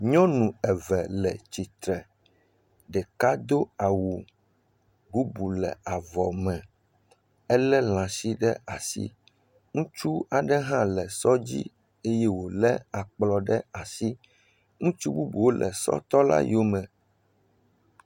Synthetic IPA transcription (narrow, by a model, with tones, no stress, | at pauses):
ɲɔ̃˦nũ˨ɛ˨vɛ˨lɛ̰˨t͡ɕi˨t̪ɾɛ˨ | ɖɛ˨ka˦d̪o˦a˨wu˨ | bu˦bu˨lɛ̰˨a˨vɔ˨mɛ̃˨ | ɛ˦lɛ˦lã˨si˦ɖɛ˦a˨sḭ˦ | ŋũ˦t͡ʃu˦a˨ɖɛ˦ɦã˦lɛ˨sɔ˦d͡ʑḭ˦ | e˦jɛ˦wo˨lɛ˦a˨k͡plɔ˨ɖɛ˦a˨si˦ | ŋũ˦t͡ʃu˦bu˦bu˨wo˦lʔɛ˨sɔ̰˦t̪ɔ˦la̰˦jo˦mɛ̃˨